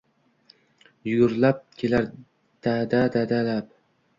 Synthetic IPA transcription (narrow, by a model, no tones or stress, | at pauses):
jʊɡʊɾlap̚kʲʰelaɾ | d̪̥ad̪ad̪ad̪alap̚